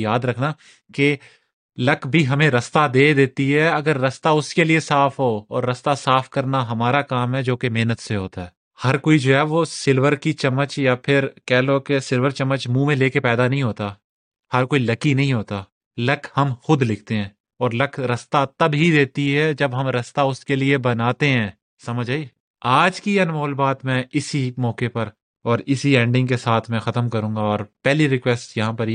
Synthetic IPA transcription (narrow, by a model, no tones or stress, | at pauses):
jaːd̪ɾɐkʰna | ke | lɐkbʱiɦɐmẽɾɐst̪ad̪eːd̪eːt̪iɦɛɐɡəɾːɐst̪aʊskeliesaːfʰɦoːɔːɾːɐst̪asaːfʰkɐɾnaɦɐmaːɾakaːmɦɛd͡ʒoːkemeɦnət̪seɦoːt̪aɦɛː | hɐɾkoːid͡ʒoːɦɛʋosɪlwəɾkit͡ʃɐmːət͡ʃjapʰɪɾkɛɦlokesɪlʋəɾt͡ʃɐmːət͡ʃmũːmẽleːkepɛːd̪anɐɦĩɦoːt̪a | hɐɾkoːilɐkinɐɦĩɦoːt̪aː | lɐkʰhɐmxʊd̪lɪkʰt̪eɦɛ̃ː | ɔːɾlɐkʰɾɐst̪at̪ɐbɦid̪eːt̪iɦɛd͡ʒɐbɦɐmɾɐst̪aʊskeliebɐnaːt̪eɦɛ̃ː | sɐməd͡ʒʱaːi | aːd͡ʒkiɐnmɔːlbaːt̪mɛ̃ɪsimɔːkepɐɾ | ɔːɾɪsiɛ̃ːɳɖɪ̃ŋɡkesaːt̪ʰmɛ̃xɐt̪əmkɐɾũːŋɡaɔːɾpɛɦliɾɪkwɛːsʈjɐɦãpɐɾ